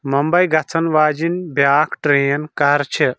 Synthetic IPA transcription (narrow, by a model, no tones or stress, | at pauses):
mɐmbɐjɡɐt͡sʰɐnʋaːd͡ʒinbjaːkʰʈɾeːnkɐɾt͡ʃʰi